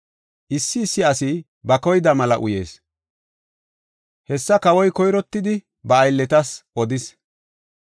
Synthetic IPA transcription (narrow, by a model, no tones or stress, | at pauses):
ʔɪsːɪːsːɪɐsi | bɐkɔjd̪ɐmɐlɐ̰ʔʊje̞̰ːs | hɛsːɐkɐwɔjkɔjɾɔt̪ːɪd̪ɪ | bɐːjlːɛt̪ɐsʔɔd̪ɪs